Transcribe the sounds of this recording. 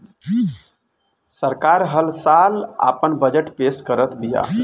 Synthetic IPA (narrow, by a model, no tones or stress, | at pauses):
səɾkaɾɦəlsala̰pənbəd͡ʒəʈpeskəɾət̪b̪ija̰